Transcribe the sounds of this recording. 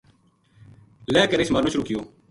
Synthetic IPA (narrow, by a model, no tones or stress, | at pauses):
lɛːkəɾeːsmaːnuːʃʊɾuːkɪjoː